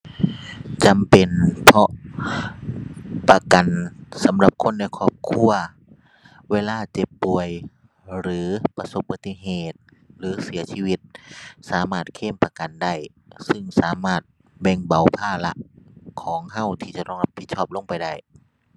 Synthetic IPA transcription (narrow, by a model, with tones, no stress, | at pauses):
t͡ɕa˨mpe˨˩npʰɔ˧ʔ | pa˧ka˨nsa˨˦mla˧p̚kʰo˧˥˨nːa˧˩jkʰɔː˧˩p̚kʰu˧˥˨ɐ | weː˧˨laː˧˥˩t͡ɕe˧˦pːu˨˩əj | ɾɯː˨˦pa˧so˧˦p̚ba˧˩t̪ʰːi˧ɦeː˧˩t̪̚ | lɯː˨˦si˩˦ɐsiː˧wi˧t̪̚saː˨˦maː˧˥˩t̪̚kʰeː˧˥˨mpa˧ka˨nda˧˥˩j | sɯ˧˩ŋsaː˨˦maː˧˩t̪̚ | bɛ˧˩ŋba˨˩wpʰaː˧˩la˧ʔkʰɔː˨˦ŋɦa˧˥˩wt̪ʰiː˧˩t͡ɕa˧˦t̪ɔː˧˩ŋla˧pʰːi˧t̪̚sʰɔː˧˩p̚lo˧˥˨ŋpa˨˩jda˥˩j